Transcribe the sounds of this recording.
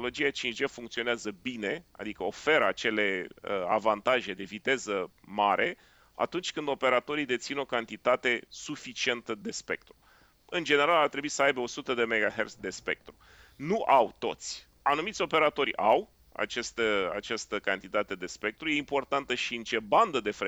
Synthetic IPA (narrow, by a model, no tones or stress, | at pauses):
olo̞d͡ʒiat͡ʃind͡ʒefuŋkt̪sio̞neazəbine̞a̰d̪ikəo̞fe̞ɾat͡ʃe̞le̞əa̰vant̪aʒe̞d̪e̞vit̪e̞zəmaɾʔe̞ | a̰t̪unt͡ʃʲkɨnd̪o̞pe̞ɾat̪o̞ɾid̪e̞t̪sino̞kant̪it̪at̪e̞sufit͡ʃie̞nt̪əd̪e̞spe̞k̚t̪ɾu̥ | ɨnd͡ʒe̞ne̞ɾalart̪ɾe̞buisəajbeo̞sut̪əd̪e̞meɡaɦersd̪e̞spe̞̰k̚t̪ɾu | nuʔawt̪o̞̰t̪sʲ | anumit̪sʲo̞pe̞ɾat̪o̞ɾʲaw | a̰t͡ʃest̪əa̰t͡ʃast̪əkant̪it̪at̪e̞d̪e̞spe̞k̚t̪ɾujeimpo̞rt̪ant̪əʃiɨnt͡ʃe̞band̪əd̪e̞fe